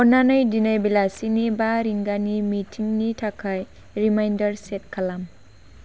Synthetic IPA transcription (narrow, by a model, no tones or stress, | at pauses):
ɔnanɯjdinajbilasinibaɾiŋɡanimitʰiŋnitʰakʰaj | ɾimajndɐɾset̚kʰalam